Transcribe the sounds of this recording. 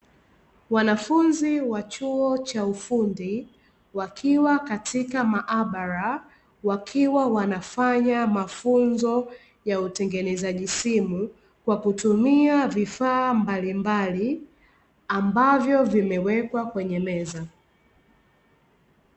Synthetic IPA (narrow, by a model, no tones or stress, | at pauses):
wanafunziwat͡ʃuɔt͡ʃaufundi | wakʰiwakatʰikamaʔaɓaɾa | wakʰiwawanafaɲamafunzɔ | jautɛŋɡɛnɛzaʄisimu | kwakutumiavifaːmbalimbali | ambavjɔvimɛwɛkwakwɛɲɛmɛza